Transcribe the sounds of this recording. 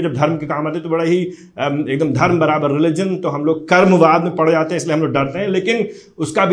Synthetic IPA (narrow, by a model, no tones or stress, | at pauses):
d͡ʒɐb̚d̪ʱɐɾmkekaːmaːt̪eɦɛt̪obɐɽaɦi | eːk̚d̪əmd̪ʱɐɾmbɐɾaːbəɾːɪlɪd͡ʒənt̪oɦɐmloːɡ̚kɐɾmʋaːd̪mẽpɐɽ̤d͡ʒaːt̪eɦɛ̃ɪslieɦɐmloːɡ̚ɖɐɾt̪eɦɛ̃leːkɪn | ʊskabʱ